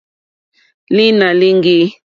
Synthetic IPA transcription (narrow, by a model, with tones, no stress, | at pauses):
li˦na˨li˦ŋɡi˦